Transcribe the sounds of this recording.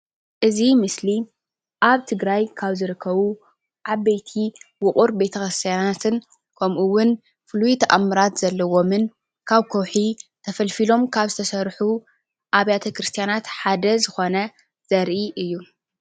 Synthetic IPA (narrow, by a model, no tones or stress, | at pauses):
ʔɨzimɨsli | ʔaβt̪ʰɨɡɾajkʰaβzɨɾɨkʰːɐβu | ʔaβejt̪ʰiwʊχʼuɾbe̞t̪ʰɐkɾɨst̪ʰijanat̪ʰɨn | kʰɐmʔuwʊn | fɨlujit̪ʰɐʔa̰mːɨɾat̪z̥ɐlːɐwo̞mɨn | kʰaβkʰowħit̪ʰɐfɐlfilo̞mkʰaβzɨt̪ʰɐsɐɾħu | ʔaβjat̪ʰɐkɾɨst̪ʰijanat̪ħad̪ɐzɨxo̞nɐ | z̥ɐɾʔiʔɨjːu